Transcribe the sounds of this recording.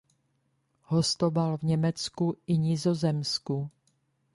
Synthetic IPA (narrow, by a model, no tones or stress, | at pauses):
ho̞st̪obalvɲɛmɛt͡skuʔɪɲɪzo̞zɛmsku